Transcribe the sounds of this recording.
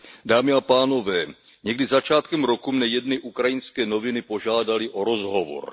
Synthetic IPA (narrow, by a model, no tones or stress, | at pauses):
daːmɪapaːno̞vɛː | ɲɛɡdɪzat͡ʃaːt̪kɛmɾo̞kumnɛjɛdnɪʔukɾajɪnskɛːno̞vɪnɪpo̞ʒaːdalɪʔo̞ɾo̞zɦo̞vo̰ɾ